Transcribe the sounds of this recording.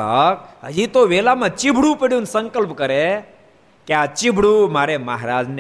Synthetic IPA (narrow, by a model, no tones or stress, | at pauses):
əkɦə̰d͡ʒit̪oʋelamãt͡ʃibʱɽũpeɽjũnsə̃ŋkəlpkəɾe | keat͡ʃibʱɽumaɾeməɦɾaːd͡ʒn